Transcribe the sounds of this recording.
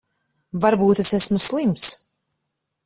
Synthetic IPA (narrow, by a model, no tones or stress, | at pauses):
vaɾbuːt̪esæsmuslˠims